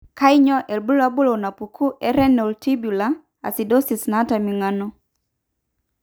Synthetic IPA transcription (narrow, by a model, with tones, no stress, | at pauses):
ka˦i˦ɲɔ˦ʔɛ˨lbu˦la˦bu˦lɔ˨na˨pu˨kʰu˦ʔɛ˦ɾɛ˦nɛ˨u˨ltʰi˦bu˨la˦ | a̰˨si˨dɔ˦si˨sna˦ta˨mi˨ŋanɔ˦